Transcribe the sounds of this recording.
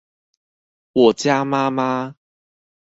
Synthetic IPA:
wɔ˨˩t͡ɕja˦ma˦ma˦

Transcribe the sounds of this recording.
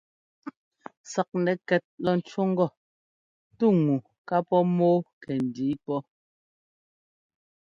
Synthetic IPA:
sa˨k̚nɛ˨kɛ˨t̚lɔ˦n̩˨˦t͡ʃwo˦ŋ̩˦ɡɔ˦˨ | tu˦ŋu˨ | ka˦pɔ˦moː˦kɛ˨n̩˨di˨˦pɔ˦

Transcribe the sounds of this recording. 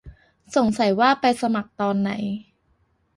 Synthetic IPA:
so˨˩˦ŋsa˨˦jwaː˥˩pa˧jsa˧ma˨˩k̚t̪ɔː˧nːa̰˩˦j

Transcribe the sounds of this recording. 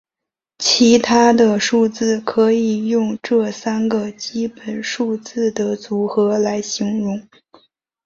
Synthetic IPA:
t͡ɕʰi˧˥t̪ʰa˥d̪ə˨ʂu˥˧t͡sɹ̩˥˩kʰɤ˧˥i˨˩jʊ˥˧ŋʈ͡ʂɤ˥˩sa˥nɡə˨t͡ɕi˥pə˨˩nʂu˥˧t͡sɹ̩˥˩d̪ə˩t͡su˧˥xɤ˧˥la˧˥ɪɕi˧˥ŋɻʊ˧˥ŋ

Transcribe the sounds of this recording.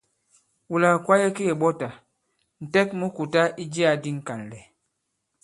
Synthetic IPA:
wu˨la˨kwa˦jɛ˦ke˦e˨ɓɔ˦ta˨ | n̩˨tɛ˦k̚mu˦ku˨ta˦ʔi˦d͡ʒi˦a˨di˦ŋ̩˨ka˨n˨lɛ˨

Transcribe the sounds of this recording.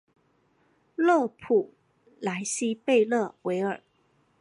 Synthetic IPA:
lɤ˥˩pʰu˨˩ | la˧˥ɪɕi˥pe˥˧ɪlɤ˥˩wʔe˧˥ɪə˞˨˩

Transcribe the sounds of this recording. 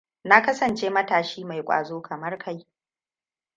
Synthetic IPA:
na˦kɐ˦sɐ˨nt͡ʃeː˦mɐ˦taː˨ʃiː˦ma˨jkʷʼa̰ː˨zoː˦kʰɐ˨mɐ˦rkʰa˦j

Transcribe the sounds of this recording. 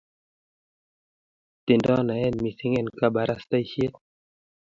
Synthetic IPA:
t̪i˨ndɔ˦na˨ɛ˦nmi˨si˦ŋɛ˦˨nka˦ba˨ɾa˦st̪a˦jhi˦e˦

